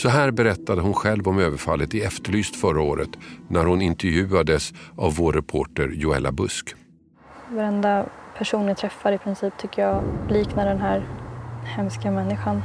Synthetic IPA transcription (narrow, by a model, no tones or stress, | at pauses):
sɔɦæːɾbɛɾɛt̪ːad̪əɦʊnɧɛlvɔmøːvəɾfalːət̪ɪɛft̪əɭyːst̪fœɾaoːɾə̰t̪næɾhʊnɪnt̪ɛɾjʉ̟ːad̪əsavːoːɾːɛpʰoːʈəɾjʊɛ̰lːa̰bɵsk | vaɾɛnd̪apʰæʂuːnjat̪ʰɾɛfːaɾɪpʰɾɪnsiːp̚t̪ʰʏkːəjɑːliːknaɖɛnɦæːɾhɛmskamɛnːɪɧan